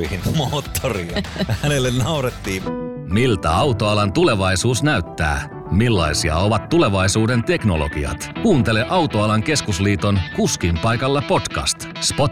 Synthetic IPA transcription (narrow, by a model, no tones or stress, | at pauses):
ihinmoːt̪ʰːoriɑhænelːennɑuɾet̪ːiːm | milt̪æ̰ɑwt̪o̞ɑlɑnt̪ule̞ʋɑjsuːsnæyt̪ːæ̰ː | milːɑ̰isiɑ̰o̞ʋɑt̪ːule̞ʋɑjsuːde̞nt̪e̞kno̞̰lo̞̰ɡ̥ḭɑ̰t̪kuːnt̪e̞leʔɑwt̪oɑlɑŋke̞skusliːt̪o̞nkuskimpɑjkɑlːɑpo̞t̪kɑ̰st̪ | spo̞t̪